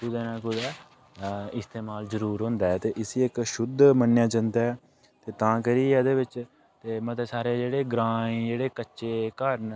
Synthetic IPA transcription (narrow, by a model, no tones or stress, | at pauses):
kʊd̪eːnãːkʊd̪aː | ɪst̪eːmaːlzəɾuːɾɦʊ̃ːnd̪aːɛːt̪eːʔɪsiːɪkʃʊd̪mənjãːd͡ʒənd̪aɛː | t̪eːt̪ãːkəɾiːɛːd̪eːʋɪt͡ʃ | t̪eːmət̪eːsaːɾeːd͡ʒeːɽeːɡɾãːĩd͡ʒeːɽeːkətːʃeːkəɾn